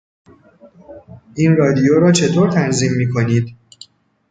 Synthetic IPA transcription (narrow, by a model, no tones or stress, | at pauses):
ʔiːnrɒːd̪ijoːɾɒːt͡ʃʰe̞t̪ʰoːɾt̪ʰænziːmːiːkʰo̞niːd̪